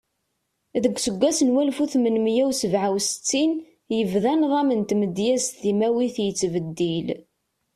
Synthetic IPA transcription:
ðəɡʷːsəɡʷːæsənwælfuθmənmjæwsəvʕawsə̥t͡sːin | jəvðænðˤɑmənt̪məd̪jæst̪imæwiθjət͡sːvəd̪ːil

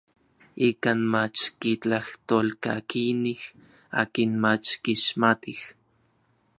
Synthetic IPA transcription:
ikaːnmat͡ʃkit͡ɬaht̪olkakinih | a̰ːkinmat͡ʃkiʃmat̪ih

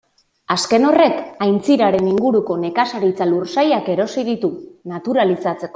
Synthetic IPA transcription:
aske̞no̞re̞kajnt͡siɾaɾe̞niŋɡuɾuko̞ne̞kasaɾit͡saluɾsajake̞ɾo̞siðit̪unat̪uɾalisat͡se̞ko

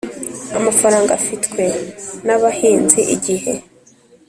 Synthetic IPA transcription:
amafaɾaːŋɡafitwe̞naβahiːnziʔiɟihe̞

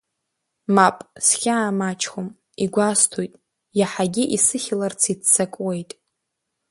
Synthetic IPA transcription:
mapʼsχʲaːmat͡ʃʰʼχom | iɡʷastʰojtʼ | jaħaɡʲiʔisɨχʲɪlart͡sʰitt͡sʰːakʷʼwejtʼ

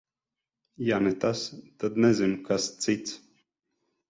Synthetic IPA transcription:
janɛt̪ast̪ad̪nɛzinkast̪sit̪s

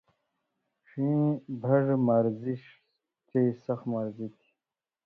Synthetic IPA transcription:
ʂĩːbʱɐʐmaɾziɕ | t̪esɐxmaɾzit̪ʰi̥

